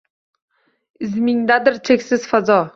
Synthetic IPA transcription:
ɪzmɪŋd̪ad̪ɪɾt͡ʃʰekʲsɪz̥fazɒ

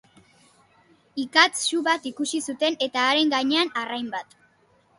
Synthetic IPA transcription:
ikat͡sːuβat̪ikusisut̪e̞ne̞t̪aːɾe̞ŋɡaɲe̞anarajmbat̪

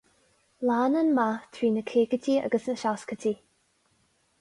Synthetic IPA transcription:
laːnənmat̪ʰɾiːnəkʰeːɡətʰia̰ɡəsnəʃaskət̪ʰi

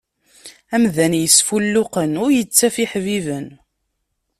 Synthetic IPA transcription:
æmðænjəsfulːʊqənʊɾjət͡sːæfiħvivən

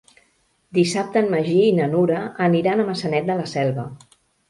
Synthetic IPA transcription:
d̪isap̚t̪əːnməʒiinənuɾəːniɾanəməsənɛt̪̚d̪ələsɛlˠβə

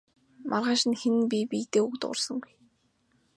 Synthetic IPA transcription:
mʔarʁaːʃɪ̆nxenɘ̆npʲipʲiːt̪eːuɣt̪ʊ̰rsə̆ŋ

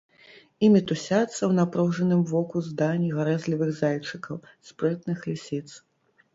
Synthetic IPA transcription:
imʲit̪usʲat̪sːɐwn̪apɾɔwʐɐnɨmvɔkuzd̪anʲiɣaɾɛzʲlʲivɨɣzajt͡ʂɨkɐwspɾɛt̪nɨxlʲisʲit̪s

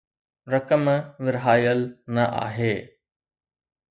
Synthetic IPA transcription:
ɾɐkəmʋɪɾɦaːjəlnɐʔa̰ːɦeː

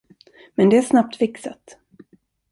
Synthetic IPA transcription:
mɛnd̪ɛæʂnap̚t̪fɪksa̰t̪

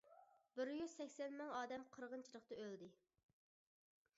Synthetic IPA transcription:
bɪɾjyz̥sɛkʲsɛnmɨŋɑːd̪ɛmqʰəɾʁənt͡ʃʰilˠəχt̪ɨøld̪ɪ

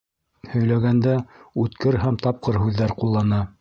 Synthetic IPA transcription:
hɵ̆jlæɡænd̪æʉt̪kɘɾɦæmt̪ɑp̚qɤɾɦʉðːæɾqulˠːɑnɑ

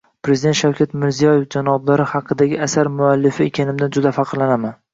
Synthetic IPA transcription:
pɾe̞zɪd̪ent̪ʃawkʲʰat̪mɪɾzijɒje̞fd͡ʒanɒblaɾɪhɑqʰɨd̪aɡʲɪasaɾmʊalːɪfɪekʲʰanɪmd̪and͡ʒʊd̪afɑqʰɨɾlanaman

